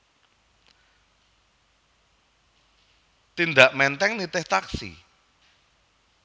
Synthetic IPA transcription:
t̪ind̪aʔmɛnt̪ɛŋnit̪ɪht̪aksḭ

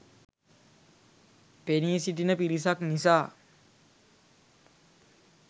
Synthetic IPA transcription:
peniːsiʈinəpiɾis̬aknisaː

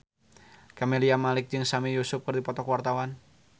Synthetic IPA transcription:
kameliamalɪk̚d͡ʒɨŋsamijusʊp̚kɨrdipɔt̪ɔkwart̪awan

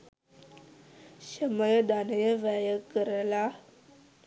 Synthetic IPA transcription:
ɕəməjəd̪anəjəʋəjəkəɾəla

